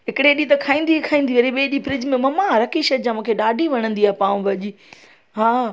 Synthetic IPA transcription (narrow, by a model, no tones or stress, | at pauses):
ɦɪkɪɽeɗit̪̬ɐkʰaːĩːnd̪ikʰaːĩːnd̪iʋɐɾiɓeːɗipɾɪd͡ʑmẽmɐmaɾɐkiʃɐd͡ʑãmũːkʰeɗaːɖʱiʋɐɽ̃ə̃nd̪iaːpãːʋ̃ʋɐʄi | ɦaː